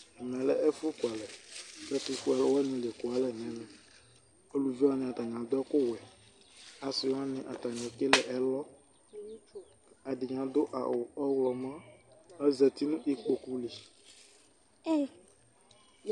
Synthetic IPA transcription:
ɛ˨mɛ̃˨lɛ˦ʔɛ˦fu˦ku˨a˨lɛ˨bɛ˦t̪u˦fu˦ɛ˨lɛ˦wɛ˦nĩ˨le˨ko˨a˨lɛ˦˨ɲɛ̃˦nɛ̃˦ | o˦lu˨vi˦a˦nɪ̃˨a˨t̪a˨ɲ˨ã˨d̪ʊ˦ɛ˦kʊ˦wɛ˨ | a˨sɪ˨wa˦nɪ̃˨ʔa˨t̪a˨ɲẽ˨ke˦lɛ˨ʔɛ˨lɔ˦ | a˨ɖɪ˨ɲã˨d̪ʊ˦ʔa̰˨ʊ˨ɔ˦wlɔ˨mã˦ɛ˦zɛ˨t̪i˦nũ˦ʔi˦k͡po˨ku˦li˨˦

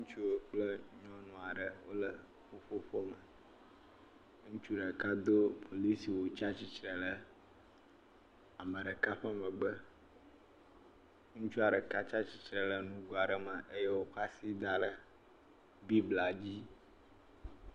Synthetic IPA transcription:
ŋũ˦t͡ʃu˦wo˨k͡plə˦ɲɔ̃˦nɔ̃˨a˨ɖə˨wo˦lə˨ | ɸo˦ɸo˦ɸo˦mə˨ | ŋũ˦t͡ʃu˦ɖə˨ka˦d̪o˦pʰo˨li˦si˨wo˨t͡ʃa˦t͡ɕi˦t͡ʃɾə˨lə˨ | a˨mə̃˨ɖə˨ka˦ɸə˦mə̃˨ɡ͡bə˦ | ŋũ˦t͡ʃu˦a˨ɖə˨ka˦t͡ʃa˦t͡ɕi˨t͡ʃɾə˨lə˨nũ˦ɡo˨a˨ɖə˨mə̃˨ʔə˦jə˦wo˦xa˦si˦d̪a˨lə˨ | bi˦bla˨d͡ʑi˦

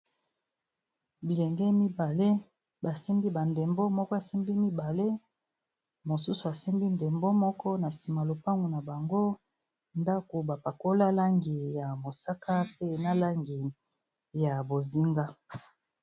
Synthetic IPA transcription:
bi˨lɛ˨ŋɡɛ˦mi˦ba˨le˦ | ba˨si˦mbi˦ba˨nde˨mbo˦mɔ˦kɔ˦a˨si˦mbi˦mi˦ba˨le˦ | mo˨su˦su˨a˨si˦mbi˦nde˨mbo˦mɔ˦kɔ˦na˨si˨ma˨lo˨pa˦ŋɡu˨na˨ba˨ŋɡo˦ | nda˦ko˨ba˨pa˨ko˦la˦la˦ŋɡi˨ja˨mo˨sa˦kʰa˦pe˦na˦la˦ŋɡi˨ | ja˨bo˨zi˦ŋɡa˦

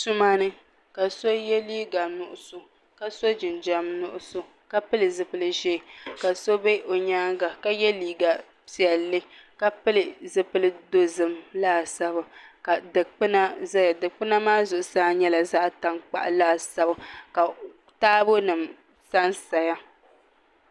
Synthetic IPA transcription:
su˦maː˦nɨ˦ | ka˨so˦jɛ˦liː˦ɡa˨nʊ˨ʔʊ˨so˨ | ka˨so˦d͡ʒɪ˨nd͡ʒa˦mnʊ˦ʔʊ˦so˦ | ka˦pɨ˦lɨ˨zɨ˨pɨ˦lɨ˦ʒe˦˨ka˨so˦be˦ʔo˨ɲaː˦ŋɡa˨ka˦jɛ˦liː˦ɡa˨ | pi˨ɛ˨lːɨ˦ka˨pɨ˦lɨ˨zɨ˦pɨ˦lɨ˦do˦zɨ˦mlaː˦˨sa˦bɨ˨ka˨dɨ˨k͡pɨ˦na˦za˦ja˨dɨ˨k͡pɨ˦na˦maː˦zʊ˨ʔʊ˨saː˦ɲɛ˦la˨za˦ʔta˦ŋk͡pa̰˨ʔlaː˦˨sa˦bɨ˦ka˨ | taː˦bo˦nɨ˨m | sa˦nsa˨ja˦

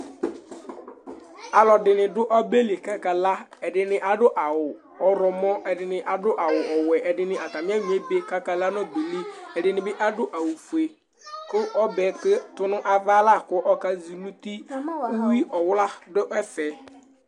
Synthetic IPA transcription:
a˨lɔ˨dɪ˨nɪ˨dʊ˦ʔɔ˦be˦le˨ka˦ka˨la˦ɛ˨ɖɪ˨nɪ˨ʔa˨ɖʊ˦ʔa˨wʊ˨ | ɔ˨ɾɔ˨mɔ̃˦ɛ˨dɪ˨nɪ˨ʔa˨dʊ˦ʔa˨wʊ˨ʔɔ˨wɛ˨ʔɛ˨dɪ˨nɪ̃˨ʔa˨t̪a˨mɪ˦a˦ɲi˨e˦be˨ka˦ka˨la˦nɔ˦d̪e˨li˦ɛ˨dɪ˨nɪ̃˨bɪ˦ʔa˦dʊ˦ʔa˨wu˨fu˨e˨ | kʊ˦ʔɔ˦bɛ˨˦kɪ˦t̪ʊ˦nʊ̃˦ʔa˨va˦la˦˨kʊ˦ʔɔ˦ka˦zi˨lu˦t̪i˦ʊ˦wi˦ʔɔ˨wla˦dʊ˦ʔɛ˦fɛ˨

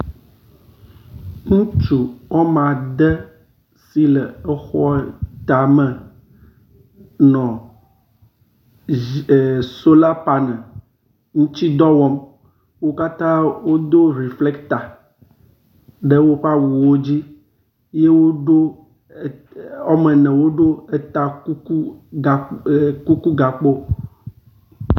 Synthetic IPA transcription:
ŋũ˦t͡ʃu˨wɔ˦mã˨d̪ɛ˦ | si˦lɛ˨ɛ˦xɔ˦t̪a˨mɛ̃˨ | nɔ̃˨ | so˦la˦pa˨nɛ̃˨ | ŋũ˦t͡ɕi˦d̪ɔ˦wɔ˦m | wo˦ka˦t̪ã˦wo˦d̪o˦ɾi˨flɛ˦kt̪a˨ | ɖɛ˦wo˦ɸa˦wu˨wo˦d͡ʑi˦ | je˦wo˦ɖo˦˨ | ɔ˦mɛ̃˨nɛ̃˨wo˦ɖo˦ɛ˦t̪a˦ku˦ku˦a˨ku˦ku˦ɡa˨k͡po˦

